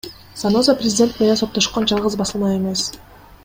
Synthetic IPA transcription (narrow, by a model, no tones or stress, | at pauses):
sano̞zaprʲɪzʲɪdʲe̞nt̪̚ej̪enso̞pt̪ːo̞ʃqond͡ʒɑlˠʁɯzbɑsɯlˠmɑje̞me̞s